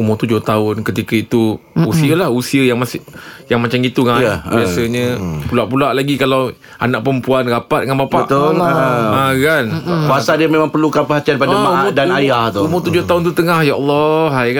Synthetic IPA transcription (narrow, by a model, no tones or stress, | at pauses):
umʊt̪ud͡ʒʊht̪aʊnkət̪ikait̪uusiəlahusiəjaŋmasjaŋmat͡ʃamɡit̪uŋabiasəɲəpulaʔpulaʔlaɡikalaw | a̰naʔ̚pəmpuanɾapat̪̚ŋãnbapaəʔt̪o | akanuasadəmẽmãŋpərlukanpəɦat̪ianpadamaudanajaht̪oumʊt̪ud͡ʒʊht̪aʊnt̪ut̪əŋahjaɔlˠːɔɦajk